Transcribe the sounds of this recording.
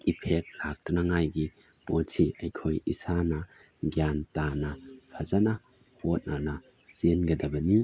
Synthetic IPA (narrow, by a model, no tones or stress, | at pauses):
ipʰek̚lak̚tɐnɐŋajɡi | motʰiʔɐjkʰojisanɐ | ɡjantanɐpʰɐzanɐ | hot̚nʔanɐ | senɡɐdɐbɐni